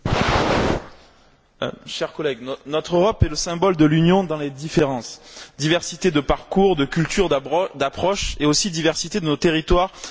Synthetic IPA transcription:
ʃɛʁkɔlɛɡnnɔt̪χøʁɔpɛləsɛ̃bɔld̪əlynjɔ̃d̪ɑ̃led̪ifeʁɑ̃sd̪ivɛʁsit̪ed̪əpaʁkuʁd̪əkʲylt̪yʁd̪apχɔʃeosid̪ivɛʁsit̪ed̪ənot̪eʁit̪waʁ

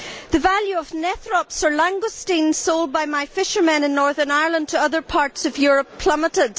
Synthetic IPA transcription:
ðəvalˠjʉəvnɛθɹɔpsə˞lãŋɡostĩnsolˠd̚baɪmaɪfɪʃə˞mɛ̃nɨ̃nːɔɹðə˞naɪə˞lˠə̃ndtʰəʌðə˞pʰaɹtsʌvjʊɹəpʰl̥ʌmətɪd

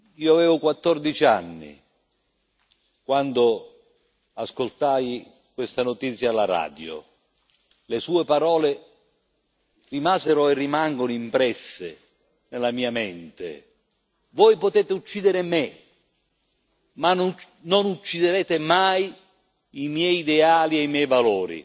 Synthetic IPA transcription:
iːoavɛːvʊkwat̪ːɔrd̪it͡ʃia̰nːḭ | kwand̪o | askolt̪aːj | kwest̪anʊt̪it̪sːjaalːaɾa̰ːd̪jo̰ | lesuːepaɾɔːle | rimaːzeɾʊerːimaŋɡonimpɾɛsːḛ | nelamiːamɛnt̪ḛ | vɔjpot̪ɛːt̪ɪut͡ʃːiːd̪eɾɪme | man | nonut͡ʃːid̪eɾɛːt̪ɪmaj | imjɛjːd̪ɛaːlieimjɛjvalɔːɾḭ

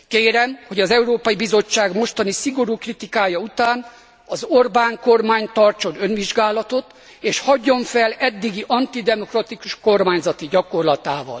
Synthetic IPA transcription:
keːɾɛmho̞ɟɒzɛuɾoːpɒjibizo̞t͡ʃːaːɡmo̞ʃt̪ɒnisiɡo̞ɾuːkrit̪ikaːjɒut̪aːn | ɒzo̞rbaːŋko̞rmaːɲt̪ɒrt͡ʃo̞nønʋiʒɡaːlɒt̪o̞t̪ | eːʃhɒɟːo̞ɱfɛlɛd̪ːiɡiʔɒnt̪id̪ɛmo̞krɒt̪ikuʃko̞rmaːɲzɒt̪iɟɒko̞rlɒt̪aːvɒ̰l

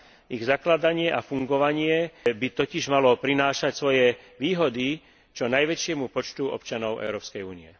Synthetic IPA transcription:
iɣzaklad̪aɲɪɛʔafuŋɡɔʋaɲɪɛbit̪ɔciʒmalɔpɾinaːʃacsʋɔjɛʋiːɦɔd̪i | t͡ʃɔnajʋɛt͡ʃɪɛmupɔt͡ʃt̪uɔ̰pt͡ʃanɔʊʔɛ̰ʊɾɔːpskɛjuːniɛ̰

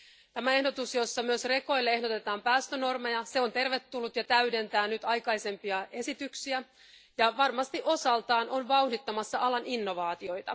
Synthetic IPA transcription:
t̪æmæe̞hdo̞t̪usjo̞sːɑmyøsre̞ko̞jlːee̞ɦdo̞t̪e̞t̪ɑːmpæːst̪øno̞rmejɑse̞o̞nt̪e̞rʋe̞t̪ːulːut̪jɑt̪æyde̞nt̪æːnyt̪ɑjkɑjse̞mpiɑe̞sit̪yksiæ | jɑʋɑrmɑst̪iʔo̞sɑlt̪ɑːno̞nʋɑuhdit̪ːɑmɑsːɑʔɑlɑninːo̞ʋɑːt̪io̞jt̪ɑ̰

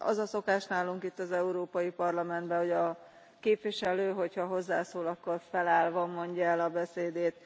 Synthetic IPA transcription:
ɒ̰zɒso̞kaːʃnaːluŋkit̪ːɒzɛuɾoːpɒjipɒrlɒmɛnd̪bɛho̞ɟɒ | keːpʋiʃɛløːɦo̞chɒɦo̞zːaːsoːlɒkːo̞rfɛlaːlvɒmo̞ɲɟɒɛlɒbɛseːd̪eːt̪

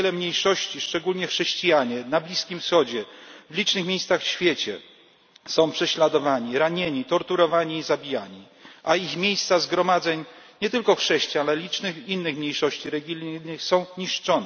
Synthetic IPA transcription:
ɛlɛmɲejʂɔɕt͡ɕiʂt͡ʂɛɡulɲɛxʂɛɕt͡ɕijaɲɛnablʲiskʲimfsxɔd͡ʑɛvlʲit͡ʂnɘxmʲejst̪saxfɕfʲjet͡ɕɛ̰ | sɔ̃w̃pʂɛɕlad̪ɔvaɲiɾaɲeɲit̪ɔɾt̪uɾɔvaɲiːzabʲijaɲi | ʔaixmʲjejst̪sazɡɾɔmad̪zɛɲɲɛt̪ɘlkɔxʂɛɕt͡ɕijaalɛlʲit͡ʂnɘxinːɘxmɲejʂɔɕt͡ɕiɾɛɡʲilʲnɘxsɔ̃w̃ɲiʂt͡ʂɔnɛ

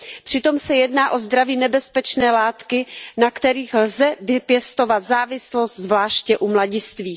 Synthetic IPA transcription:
pr̥ɪt̪o̞msɛjɛdnaːʔo̞zd̪ɾaviːnɛbɛspɛt͡ʃnɛːlaːt̪kɪnakt̪ɛɾiːxlzɛvɪpjɛst̪o̞vat̪zaːvɪslost̪zvlaːʃcɛʔumlaɟɪst̪viː

